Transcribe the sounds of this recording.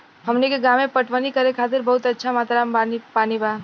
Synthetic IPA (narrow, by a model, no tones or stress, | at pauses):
ɦəmnikeɡamepəʈʋənikəɾekʰat̪iɾbəɦut̪ətːʃʰamat̪ɾamanipaniba